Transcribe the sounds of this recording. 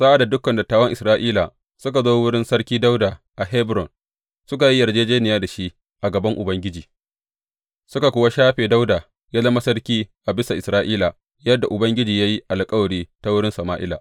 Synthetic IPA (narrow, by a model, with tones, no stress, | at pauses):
sa˦ʔa˨da˨dʊ˦kːɐ˨nda˨taː˦wɐ˦ŋʔɪ˨sɾaː˦ʔiː˦la˨ | sʊ˦ka˨zoː˦wʊ˦ɽɪ˦nsɐ˦ɽkʲiː˦da˦wdaː˨ | ʔa˨ɦɛ˦bɾɔ˨n | sʊ˦ka˨ji˦jɐ˨rd͡ʒeː˦d͡ʒeː˦nɪ˨jaː˦da˨ʃi˦ | ʔa˨ɡɐ˨bɐ˦ŋʔʊ˨bɐ˦ŋɡʲɪ˦d͡ʒiː˨ | sʊ˦ka˨kʷʊ˦wa˦ʃaː˦ɸeː˨da˦wdaː˨ | jaː˦lɐ˦ma˦sɐ˦rkʲiː˦ʔa˨bɪ˦sa˨ʔɪ˨sɾaː˦ʔiː˦la˨ | jɐ˦dːa˨ʔʊ˨bɐ˦ŋɡʲɪ˦d͡ʒiː˨ja˦ji˦ʔa˨lkʼɐ˦wɐ˨ɽiː˦ta˦wʊ˦ɽɪ˦nsɐ˨maː˦ʔɪ˦la̰˨ʔ